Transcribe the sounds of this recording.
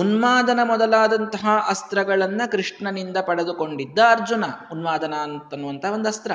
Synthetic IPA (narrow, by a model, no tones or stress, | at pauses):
unʋaːd̪ɐnɐmɔd̪ɐlaːd̪ɐnt̪ɐɦɐʔɐst̪ɾɐɡɐɭɐnːɐkɾiʂɳɐnind̪ɐpɐɽɐd̪uko̞ɳɖid̪ːɐːɾd͡ʒunɐunʋaːd̪ɐnaːnt̪ɐnːuʋɐnt̪ɐo̞nd̪uɐst̪ɾɐ